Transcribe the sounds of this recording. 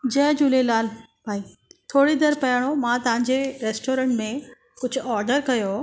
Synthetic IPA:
d͡ʑɐːɪd͡ʑʊlelaːl | bʱaːi | t̪ʰoːɽid̪ɐɾpɐjəɽ̃omãt̪ɐʋãɲd͡ʑeɾeːsʈoːɾə̃ːʈmẽ | kʊd͡ʑʱʊɔːɾɖəɾkɐjo

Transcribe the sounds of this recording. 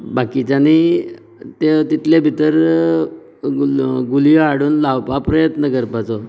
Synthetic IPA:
bakit͡ɕaniː | t̪et̪it̪lebʱit̪əɾ | ɡulijoaɽuːnlawpapɾəjət̪nəkəɾpat͡sɔ

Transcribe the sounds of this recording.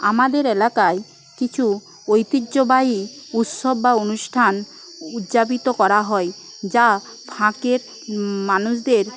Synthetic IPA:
amad̪eɾelakae | kit͡ɕʰu | ojt̪idːʑobajiut̪ʃobːaonuʃʈʰan | ud̪d͡ʑabit̪okɔɾaɦɔe | d͡ʑa | pʰãkeɾ | manuʃd̪eɾ

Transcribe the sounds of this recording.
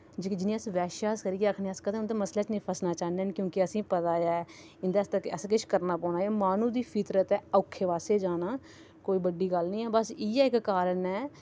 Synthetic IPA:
d͡ʒɪd͡ʒɪnĩːəsʋɛːʃaːskəɾiːeəkʰneaːskəd̪ẽːnt̪eːməslɛːt͡ʃnepʰəsnaːt͡ʃaːneːnkjõːkɪəsĩːpət̪aːjɛː | ɪnd̪aːst̪əəskɪʃkəɾnaːpɔːnaːeːmaːnũːd̪iːpʰɪt̪ɾət̪ɛːəʊkʰːeːʋaːseːd͡ʒaːnaː | koːiːbəɖːiːɡəlnĩːɛːbəsiːɛːɪkkaːɾənɛː

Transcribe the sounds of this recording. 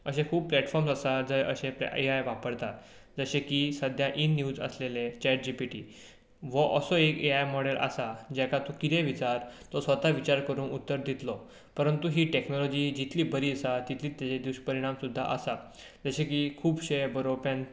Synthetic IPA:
əɕẽkʰuːb̚plɛʈfɔɾmsəsad͡zəjə̰ɕepiajʋapəɾt̪at̪ | d͡zəɕẽkisəd̪ʱjaʔinːjuːd͡zə̰slelet͡ɕɛʈ̚d͡ʑipiʈḭː | ʋəʔəsɔekeajmɔɽelʔə̰sad͡ʑɛkat̪ukit̪eʋit͡saɾt̪ɔsʋət̪aʋit͡ɕaɾkəɾuːnut̪ːəɾd̪ʱit̪lɔ | pəɾənt̪uɦiːʈeknɔlɔd͡ʑiːd͡ʑit̪ʰliːbəɾiːsat̪it̪ʰliːt̪ːet͡ɕed̪uɕpəɾiɽ̃amsud̪ʱːa̰ʔəsa | d͡zəɕekikʰuːbɕejbəɾopãn

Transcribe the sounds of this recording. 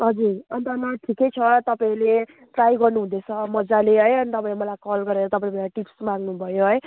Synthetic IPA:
ɦʌd͡zuɾʌnt̪ʌnaʈʰikejt͡sʰʌt̪ʌpaĩle | ʈrajɡʌrnuɦũd̪et͡sʰʌmʌd͡zaleɦʌjʌnit̪ʌpãĩmʌlajkʌlɡʌɾeɾʌt̪ʌpaĩmʌlajʈipsmãŋɡnubʱʌjoɦʌj

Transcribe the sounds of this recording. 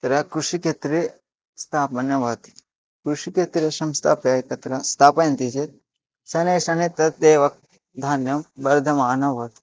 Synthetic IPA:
t̪ɾɐkɾuʃiket̪ɾe | st̪ʰaːpɐnjɐʋɐt̪i̥ | kɾuʃiket̪ɾesɐmst̪ʰaːpjɐːkɐt̪ɾɐst̪ʰaːpɐjɐnt̪id͡ʒet̪̚ | sɐneːʃɐnet̪ɐt̪d̪eːʋɐk̚ | d̪ʱaːnjɐmbɐɾd̪ʱɐmaːnɐʋɐt̪

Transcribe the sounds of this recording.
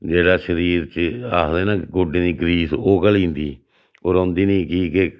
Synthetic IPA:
d͡ʒeːɽaːʃəɾiːɾt͡ʃəaːsd̪eːnãːɡʊɖeːd̪iːɡɾiːsoːkəlĩːnd̪iː | oːɾõːnd̪iːnĩːkiːke

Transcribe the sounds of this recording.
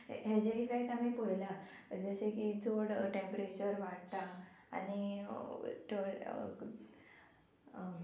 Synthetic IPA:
ɦad͡ʑeifekʈamiːpojlaəd͡zəɕekid͡zoɽʈempɾet͡ɕəɾʋaɽt̪a̰ː | ni | ʈʰo

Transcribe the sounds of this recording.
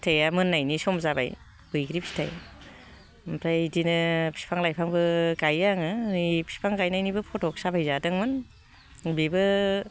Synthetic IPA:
tʰajamɯnːajnisɔmzaba̰j | bɯjɡɾipʰi̥tʰa̰j | mpʰɾajdinɯpʰi̥pʰaŋlajpʰaŋbɯɡajaŋɯipʰi̥pʰaŋɡajnajnibɯpʰɔtɔk̚sabajzadɯŋmɯn | bibɯ

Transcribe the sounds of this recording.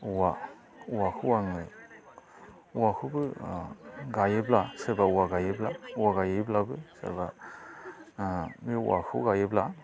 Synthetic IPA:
uwa | uwakʰuwaŋɯ | uwakʰubɯ | ɡajeblaseɾbauwaɡajeblauwaɡajeblabɯsɛ̰ɾba | miṵʔa̰kʰṵɡajebla

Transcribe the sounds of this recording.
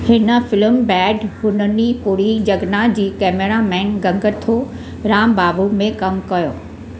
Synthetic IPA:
hɪnə̆fɪlmbɛːɖhʊnənipʊɾid͡ʑɐɡnad͡ʑiːkɛːmeɾamɛ̃ːnɡɐ̃ŋɡət̪ʰoː | ɾaːmbaːbumẽkɐmkɐjoː

